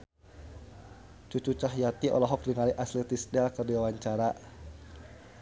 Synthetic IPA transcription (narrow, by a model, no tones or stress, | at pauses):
t͡ʃut͡ʃut͡ʃaɦjat̪iʔɔ̰lɔɦɔk̚diŋaliʔaslɛt̪isdɛlkərdiwawaɲt͡ʃaɾa